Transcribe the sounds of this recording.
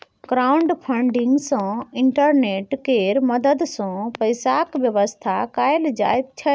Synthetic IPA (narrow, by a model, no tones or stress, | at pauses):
ɡɾaːʊ̃ɳɖpʰə̃ɳɖɪ̃ŋɡsãɪɳʈəɾneːʈkeːɾmɐd̪əd̪sãːpɐɪsakʋjəʋəst̪ʰakaːjld͡ʑa̰ːɪb̚t̪ʰɐ